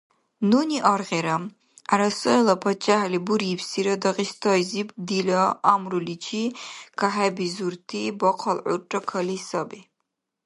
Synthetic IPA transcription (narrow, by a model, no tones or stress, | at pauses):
nuniʔɔɾʁɛɾam | aɾasɔɛlapʰat͡ʃʼaɦlibuɾipʰsiɾɐd̪aʁist̪ʰɔjzibd̪ilaamrulit͡ʃʰikʰaɦɛbizuɾt̪ʰibɔqʰalʕṵrʈ͡ʂʼakʰɐlisabi